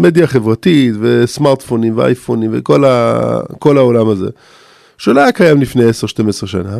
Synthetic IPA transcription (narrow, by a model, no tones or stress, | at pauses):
med̪jaχevʁat̪it̪vesmaʁt̪fonimvea̰jfonimvḛko̞la̰ko̞laolamazḛ | ʃeːlaakajamlifnejeseʁʃtemesʁeʃana